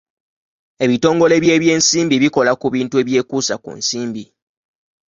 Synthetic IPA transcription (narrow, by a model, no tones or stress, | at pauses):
e̞βito̞ːŋɡo̞le̞βje̞ːβje̞ːnsiːmbiβiko̞lakuβiːntue̞ːβje̞ːkuːsakṵnsiːmbi